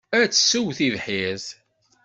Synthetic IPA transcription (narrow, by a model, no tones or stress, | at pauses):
æt͡sːə̥suwθiðħið